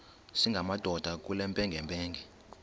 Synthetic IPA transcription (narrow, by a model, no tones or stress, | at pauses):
siŋɡʱamad̥ʱɔd̥ʱak̬ʼulɛmpʼɛŋɡʱɛmpʼɛːŋɡʱɛ